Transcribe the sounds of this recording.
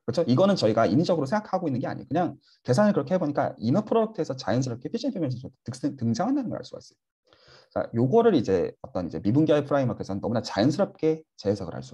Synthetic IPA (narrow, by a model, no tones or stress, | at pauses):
kɯɯt͡ɕʰoiɡʌnɯnt͡ɕʌiɡaimid͡ʑʌɡɯɾos̬ʰeŋɡakʰaɡoinːɯnɡe̞a̰ɲḭjo̰kɯɲaŋ | ke̞sʰanɯɭkɯɾʌkʰe̞heboɲik͈a̰imʌpʰɯɾoɾok̚tʰɯesʰʌt͡ɕajʌns̬ʰɯɾʌp̚k͈e̞pʰiɕʰinpʰemjʌns̬ʰisʰtʰtɯk̚s͈ɯntɯŋd͡ʑaŋɦandanɯnɡʌɾa̰s͈uɡa̰s͈ɯ̥j | k͈a̰joɡʌɾɯɾid͡ʑe̞ʌt͈ʌnid͡ʑe̞mibunɡjaepʰɯɾaimʌk͈esʰʌnɯnːʌmunat͡ɕajʌnsʰɯɾʌp̚k͈e̞t͡ɕeːsʰaɡɯɾa̰s͈u